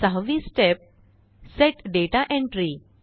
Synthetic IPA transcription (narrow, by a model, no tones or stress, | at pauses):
saɦʋisʈep̚ | seʈɖeʈaʔẽɳʈɾi